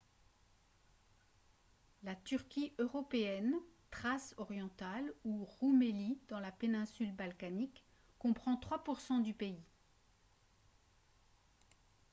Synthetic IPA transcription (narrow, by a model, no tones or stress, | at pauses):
lat̪yʁkʲiʔøʁɔpeɛnt̪χasɔʁjɑ̃t̪aluʁumelid̪ɑ̃lapenɛ̃sylbalkanikː | ɔ̃pχɑ̃t̪χwapuʁsɑ̃d̪ypei